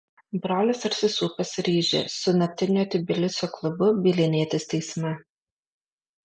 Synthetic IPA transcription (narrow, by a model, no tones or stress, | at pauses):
bɾoːlʲɪsɐɾʲsʲɪsuːpɐsɾʲiːʒʲḛsʊnɐt̪ʲɪnʲoːt̪ʲɪbʲɪlʲɪsʲoːklˠʊbʊbʲiːlʲɪnʲiɛt̪ʲɪst̪ʲɛɪsʲmʲɛ